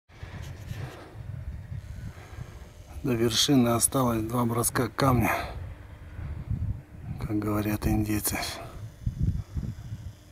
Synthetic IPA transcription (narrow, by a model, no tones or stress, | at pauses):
d̪əvʲɪrʂɨnɨɐst̪alˠəsʲd̪vabɾɐskakːamnʲə | kʰak̚ɡəvɐɾʲat̪ɪnʲdʲejt̪sɨ